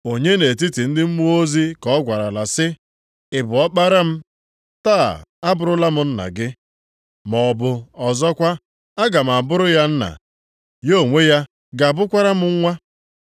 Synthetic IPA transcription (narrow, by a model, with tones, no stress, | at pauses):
o˨ɲe˦ne˨ti˦ti˨n̩˦dɪ˦m̩˦m˦o˦zi˦kɔ˦ɡʷa˨ɾa˨la˨sɪ˦ | ɪ˨bʊ˨ɔ˦k͡pa˦ɾa˦m̩˦ | taː˦˨a˦bʊ˨ɾʊ˦la˦mʊ˦n̩˦na̰˨ɡɪ˦ | mɔ˨bʊ˨ɔ˨zɔ˦kʷa˦ | a˦ɡa˨m̩˨a˨bʊ˦ɾʊ˦ja˦n̩˦na̰˨ | jo˦˨ŋʷe˦ja˦ | ɡa˨bʊ˦kʷa˦ɾa˦mʊ˦ŋ̩˦ŋʷa˦